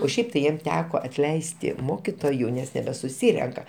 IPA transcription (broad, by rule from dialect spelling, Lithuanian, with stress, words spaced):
oː ˈʃʲɛɪp tɐɪ ˈjiɛm ˈtʲæːkoː ɐtʲˈlʲɛɪsʲtʲɪ ˈmoːkʲɪtoːjʊ ˈnʲɛs nʲɛbʲɛsʊˈsʲiːrʲɛŋkɐ